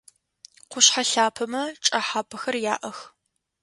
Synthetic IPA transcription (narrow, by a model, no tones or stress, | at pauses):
qʷʊɕħaɬaːpʰɐmɐʈ͡ʂʼɐħaːpʰɐxɐrja̰ːʔɐx